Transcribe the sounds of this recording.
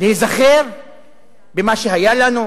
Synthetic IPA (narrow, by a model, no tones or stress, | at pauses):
leizaχeʁ | bemaʃeɦajalanu